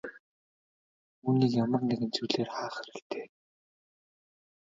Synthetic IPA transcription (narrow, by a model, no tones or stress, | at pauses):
uːniːkjamə̆rneɣɘ̆nt͡sujɮeːrχaːχæɾɘ̆kt̪eː